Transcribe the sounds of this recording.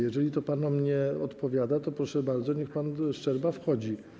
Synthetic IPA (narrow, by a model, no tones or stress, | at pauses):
jɛʐɛlʲit̪ɔpanɔmɲɛɔt̪pɔvʲjad̪at̪ɔpɾɔʂɛbaɾd̪zɔɲɛxpanʂt͡ʂɛɾbafxɔd͡ʑi